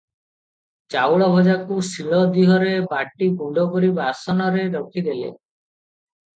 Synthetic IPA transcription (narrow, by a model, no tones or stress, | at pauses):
t͡ʃawɭɔbʱɔd͡ʒakusiɭɔd̪iɦɔɾebaʈːiɡuɳɖɔɡoɾibasɔnɔɾeɾɔkʰid̪elḛ